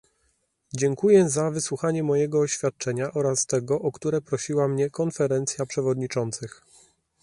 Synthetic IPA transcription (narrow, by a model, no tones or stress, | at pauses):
d͡ʑɛŋkujɛzavɘswuxaɲɛmɔjɛɡɔːɕfʲjat̪̚t͡ʂɛɲaʔɔɾast̪ɛɡɔʔɔkt̪uɾɛpɾɔɕiwamɲɛkɔnfɛɾɛnt̪sʲjapʂɛvɔd̪ɲit͡ʂɔnt̪sɘx